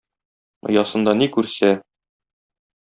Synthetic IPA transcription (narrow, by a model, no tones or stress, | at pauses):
ŏ̰jɒsɤ̆nd̪ɑnikʉɾsæ